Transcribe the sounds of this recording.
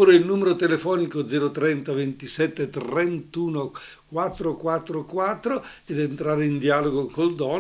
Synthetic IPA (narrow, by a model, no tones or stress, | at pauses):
uɾeilnuːmeɾot̪elefɔːnikod̪zɛːɾot̪ɾɛnt̪avent̪isɛt̪ːet̪ent̪uːno | kwat̪ːɾokwat̪ːɾokwat̪ːɾoed̪ent̪ɾaːɾeind̪ialoɡokold̪ɔː